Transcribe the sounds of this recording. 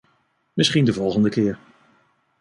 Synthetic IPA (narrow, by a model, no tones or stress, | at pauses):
mɪsχindəvɔlˠχəndəkɪːɹ